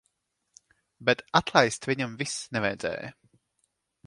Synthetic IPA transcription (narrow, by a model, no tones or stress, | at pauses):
bɛt̪at̪lˠajst̪vʲiɲamvisnɛvajd̪zɛ̰ːj